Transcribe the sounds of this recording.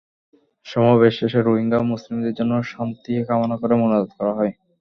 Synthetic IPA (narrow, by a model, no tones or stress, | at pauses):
ʃɔmaβeʃeʃeɾoɦiŋɡamuslimd̪eɾd͡ʑonːoʃant̪iekamonakoɾemonoɾod̪kɔɾaɦɔe